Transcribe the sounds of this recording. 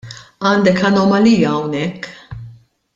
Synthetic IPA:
ɐːnd̪ɛkɐnɔmɐliːjɐːwnɛkː

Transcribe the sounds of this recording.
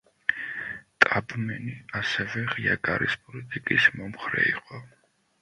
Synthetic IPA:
t̪ʼabmɛniasɛvɛʁiaɡaɾispʼɔlit̪ʼikʼismɔmχɾɛ̰iqʼɔ

